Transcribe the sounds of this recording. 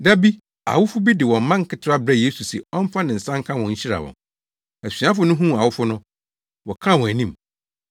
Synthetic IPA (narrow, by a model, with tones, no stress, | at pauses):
da˦bi˦ | a̰˨wʊ˦fʊ˦bi˦dɪ˨wɔ̃˨m̩˦mã˦ŋ̩˦kʰɪ˦tʰɪ˦a˦bɾɛ˦˨je˦su˨sɛ̰˨ɔ˦m˦fa˦nɪ̃˨n̩˨sã˦ŋ˦kʰã˦wɔ̃˨ɲ̩˦ɕi˦ɾa̰˨wɔ̰̃˨ | æ˨si˨ã˦fʊ˨˦nʊ̃˦ɦũ˦˨a˨wʊ˦fʊ˦nʊ̃˦ | wɔ˨kʰã˦˨wɔ̃˨æ˨nĩ˦m